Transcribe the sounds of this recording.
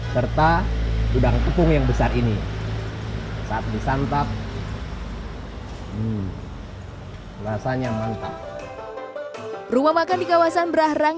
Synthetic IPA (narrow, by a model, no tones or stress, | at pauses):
sərt̪atudaŋt̪upʊŋjaŋbəsarini | saat̪̚disant̪ak̚ | rasanjaŋmant̪a | rumamakandikawasanbəɾahraŋ